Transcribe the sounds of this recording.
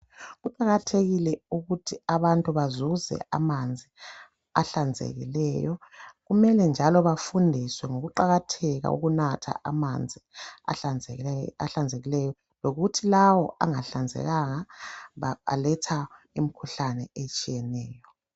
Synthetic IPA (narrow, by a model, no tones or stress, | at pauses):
ɣuǃaɣatʰeɣilɛuɣutʰiaβantʼuβazuzɛ̰amand͡zʱi | aɬand͡zʱḛɣḭlɛjɔɣumɛlɛnd͡ʒʱalɔβafundʱiswɛŋoɣuǃaɣatʰɛɣa̰ṵɣunatʰa̰ʔamand͡zʱia̰ | a̰ɬand͡zʱeɣilɛjɔ | loɣutʰilawɔʔa̰ŋaɬand͡zʱɛ̰ɣaŋaβa̰lɛtʰa | imikʰuɬanɛet͡ʃʼijɛnɛːjɔ